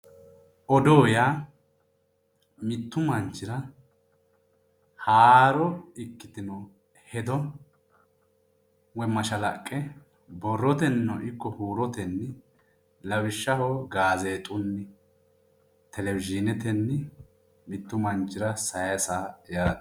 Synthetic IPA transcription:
ʔɔd̪oːja | mɪt̪ːʊmɐnt͡ʃːɪɾɐ | haːɾɔɪkːɪt̪ɪnɔ | hɛd̪ɔ | wɛmɐʃɐlɐkʼːɛ | bɔrːɔt̪ɛnɪnɔʔɪkːɔhuːɾɔt̪ɛnːɛ | lɐwɪʃːɐhɔɡaːzeːt̪ʼʊnːɪ | t̪ʰɛlɛwɪd͡ʒɪnɛt̪ɛnːɛ | mɪt̪ːʊmɐnt͡ʃːɪɾɐsɐjɐsaːjaɾɐt̪

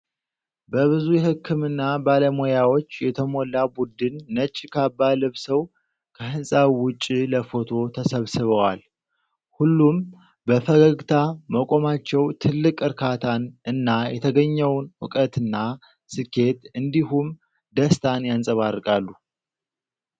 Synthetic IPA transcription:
bəβɨzujɛhɨkʰːɨmɨnːabaləmojawo̞t͡ʃːjɛt̪ʰəmo̞lːabud̪ɨnːət͡ʃʼːkʰabːalɨβsəw | kʰəhɨnsʼaβwʊt͡ʃʼːiləfo̞t̪ʰo̞t̪ʰəsəβsɨβəwal | hulːum | bəfəɡəɡt̪ʰaməkʼo̞mat͡ʃːɛwt̪ʰɨlːɨkʼɨɾkʰat̪ʰanɨnːajɛt̪ʰəɡəɲːɛwnʊkʼət̪ɨnːa | sɨkʰːe̞t̪ɨnd̪iɦum | d̪əst̪ʰanjansʼəβarːɨkʼalːu

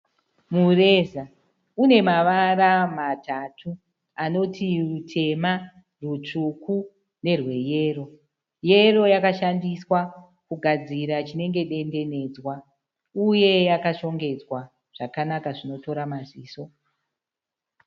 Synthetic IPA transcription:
mure̞za | une̞maʋaramatʰatʰu | ano̞tʰirutʰe̞ma | rut͡ʂuku | ne̞rwe̞je̞ːro̞ | je̞ro̞jakaʃandiswa | kuɡʱad͡ziɾat͡ʃine̞ŋɡe̞ɗe̞nde̞ne̞d͡zwa | uje̞jakaʃo̞ŋɡe̞d͡zwa | ʐ̥akanakaʐino̞to̞ɾamaziːso̞

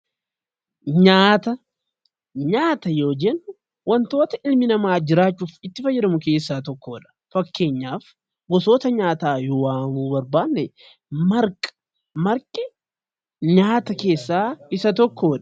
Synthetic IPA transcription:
ɲaːt̪ɐ | ɲaːt̪ɐjo̞ːd͡ʒɛnːʊ | wɐnt̪o̞ːt̪ɐʔɪlmɪnɐmaːd͡ʒɪɾaːt͡ʃːuːfɪt̪ːɪfɐjːɛɾɐmʊke̞ːsːaːt̪ɔkːoːᶑɐ̥fɐkːe̞ːɲːaːf | ɡɔso̞ːt̪ɐɲaːt̪aːjoːwaːmuːbɐɾbaːnːɛ | mɐɾkʼɐ̥ | mɐɾkʼɪ | ɲaːt̪ɐke̞ːsːaːɪsɐt̪ɔkʰːoːᶑɐ̥

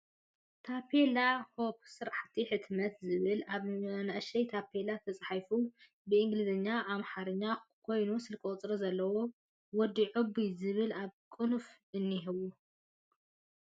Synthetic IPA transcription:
t̪ʰapʰelahop̚sɨɾaħt̪ʰiħɨt̪mɐt̪zɨβɨlaβanaʔʃɐjt̪ʰapʰelat̪ʰɐt͡sʼħajfu | bɨʔɨŋɡlizɨɲːaʔamħaɾɨɲːakʰo̞jnusɨlkʼot͡sʼɾɐzɐlːɐwo | wɔd̪ːiʕɨbizɨβɨlaβkʼɨnfʔɨnːiɦɨβu

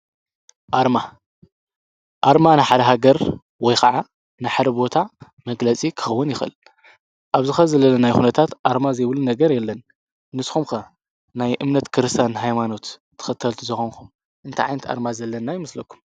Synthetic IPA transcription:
ʔaɾma | ʔaɾmanaħad̪ɐɦaɡɐɾ | wɔjkɐʕa | naħad̪ɐbo̞t̪ʰa | mɐɡlɐt͡sʼikʰɨ̥xɐwːɨnjɪxɨ̰l | ʔaβzɨxɐzɐlːɐlːɐnajxunɐt̪ʰat̪ʔaɾmazɐjβlunɐɡɐɾjɛlːɐnː | ɨsxumkɐ | najʔɨmnɐt̪kʰɨɾɨst̪ʰjanɦajmano̞t̪ʰː | ɨ̥xɐt̪ʰːɐlt̪ʰuzɐxonkʰum | ʔɨnt̪ʰɐʕajnɐt̪ʰa̰ɾmazɐlːɐnːajɪmɨslɐkʰːu̥m

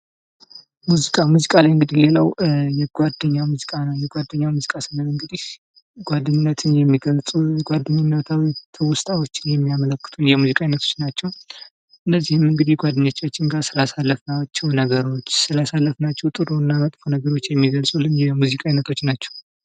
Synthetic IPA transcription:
muzikʼamuzikʼalajɨŋɡɨd̪ihle̞ləwjɛɡʷwad̪ːəɲːamuzikʼanəwjɛɡʷad̪ːəɲːamuzikʼasənəlɨŋɡɨd̪ih | ɡ̥ʷad̪ːɨɲnːət̪ʰɨnjɛmːiɡəlsʼuɡʷad̪ːɨɲːunːət̪ʰawit̪ʰəwʊst̪ʰʼawot͡ʃːɪnjɛmːijamələkːɨ̥t̪ʰunjɛmuzikʼajnət̪ʰo̞̥t͡ʃːnat͡ʃːɛw | ʔɨnːəzːihɨmɨŋɡɨd̪ihɡʷad̪ɨɲːot͡ʃːat͡ʃːɪŋɡasɨlasalːəfnat͡ʃːɛwnəɡəɾo̞t͡ʃːsɨlasalːəfnat͡ʃːɛwt̪ʼɨɾonːamət̪ʼfonəɡəɾo̞t͡ʃːjɛmːiɡəlsʼulɨnjɛmuzikʼajinət̪ʰo̞t͡ʃːnat͡ʃːɛ̥w

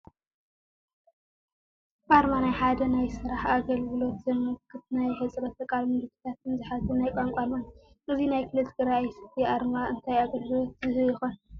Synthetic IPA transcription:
baɾmanajħad̪ɐnajsɨɾaħaɡɐlɡɨlo̞t̪zɐmɨkʰːɨt̪najhɐt͡sʼɾɐt̪ɐkʼalmɨd̪kʰɨ̥t̪ʰat̪nzɨħazɨnajkʼaŋkʷʼanan | ʔɨzinajkʰɨlɐzɡɨɾajsɐt̪ʰiʔaɾmaʔɨnt̪ʰajaɡɐlɡɨlo̞t̪̚zɨhɨjɪxon

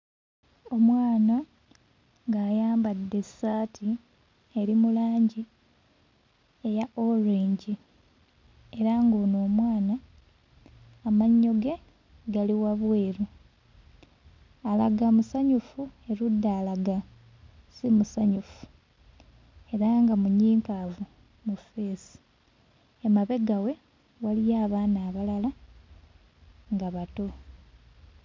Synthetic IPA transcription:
o̞mwaːna | ŋɡaːjaːmbadːe̞saːtʰi | e̞ɾimulaːɲɟi | e̞jaʔoɾeːɲɟi | e̞ɾaŋɡoːnoːmwaːna | maɲːo̞ɡe̞ | ɡaliwaβwe̞ːɾu | alaɡamusaɲufue̞ɾudːaːlaɡa | simusaɲufu̥ | e̞ɾaŋɡamuɲiːŋkavu | mufe̞ːsi̥ | emaβe̞ɡawe̞ | walijaːβaːnaːβalala | ŋɡaβato

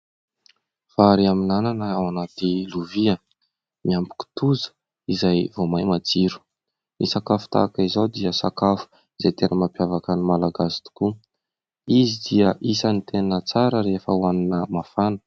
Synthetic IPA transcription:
faɾiaminananəawanat̪iluviə | miambu̥ku̥t̪uzə̥ | izajvomajmad͡ziɾu̥ | nisakafu̥t̪a̰kaizowd̪iəsa̰kafu̥ | izajt̪enəmampjavakanimalaɡasi̥t̪u̥ku | izid̪iəʔisanit̪enət͡saɾəɾefəwaninəmafanə̥

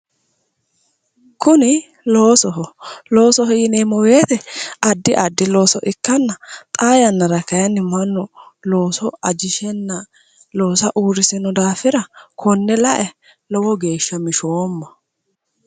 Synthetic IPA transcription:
kʊnɪ | lo̞ːsɔɦɔloːsɔɦɛjɪneːmɔweːt̪ɛɐd̪ːɪʔɐd̪ːɪlo̞ːsɔʔɪkːɐnːɐt̪ʼaːjɐnːɐɾɐkːɐjɐnːɪmɐnːɔlo̞ːsɔɐd͡ʒɪʃɛnːɐ | loːsɐʔuːɾɪsɪnɔd̪aːfɪɾɐkʰɔnːɛlɐʔɛ | lɔwɔɡe̞ːʃːɐmɪʃomːɐ

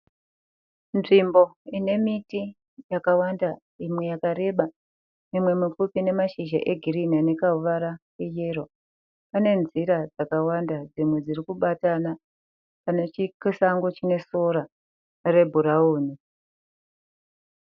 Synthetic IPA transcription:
nʐimbo̞ine̞miti | jakawanda | imwe̞jakaɾe̞ɓa | mimwe̞mufupine̞maʃiʒa̰ʔe̞ɡʱiriniane̞kauʋaɾakejerwa | pane̞nziɾad͡zakawandad͡zimwe̞d͡ziɾikuɓatana | kanat͡ʃikisaŋɡo̞t͡ʃine̞so̞ɾa | re̞bʱuɾauːni

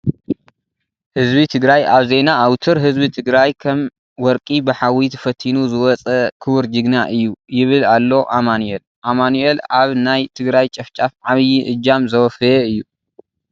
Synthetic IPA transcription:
hɨzbit̪ʰɨɡɾajʔaβze̞naʔawt̪ʰɨɾɦɨzbit̪ʰɨɡɾajkʰɐm | wɔɾkʼibɨħawit̪ʰɐ̥fɐt̪ʰːinuzɨwɔt͡sʼɐkʰɨwɨɾd͡ʒɨɡnaʔɨjːujɪβɨlalːo̞ʔamanuel | ʔamanuelaβnajt̪ʰɨɡɾajt͡ʃʼɐft͡ʃʼafʕaβɨjiʔɨd͡ʒamzɐwɔfɐjɛɨjːu

